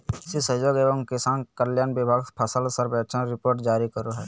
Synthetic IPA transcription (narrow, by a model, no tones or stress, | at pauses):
sisəd͡ʒoːɡeːbə̃ŋkesãːnkəljaːnbɪbʱaːɡpʰɐsəlsəɾbɛt͡ʃʰəɾɪpoːɾʈd͡ʒaːɾikəɾoɦɛː